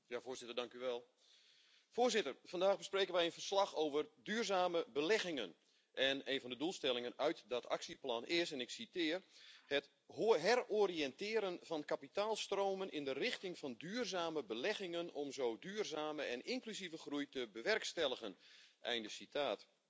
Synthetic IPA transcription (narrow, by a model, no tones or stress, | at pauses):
jaːvoːzɪtərdɑŋkyʋɛlˠ | foːrzɪtərfɑndaːɣbəspreːkənʋɛjənvərslɑxoːvərdyːrzaːməbəlɛɣɪŋən | ʔɛneːnvɔndədulˠstɛlˠɪŋənœɥtdɔtʰa̰ksiplɑnʔɪsɛnɪksitɪːrhət | ɦɛroriɛntɪːɾənvɑnkapitaːlˠstroːmənʔɪndərɪxtɪŋfɑndyːrzaːməbəlɛɣɪŋənɔmzoːdyːrzaːməɛnɪŋklysivəxrujtəbəʋɛrkstɛlˠəɣənʔɛ̰jndəsitʰaːt